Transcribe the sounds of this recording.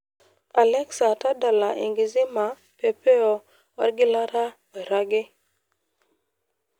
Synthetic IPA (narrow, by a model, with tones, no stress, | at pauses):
a˨lɛ˦ksa˨ta˦da˨la˨ʔḭ˨ŋɡi˨zi˦ma˨ | pe˨pe˦ɔ˦ | wa̰˦ɾɡɪ˦la˦ɾa˦ | e˨ɾa˦ɡɪ˦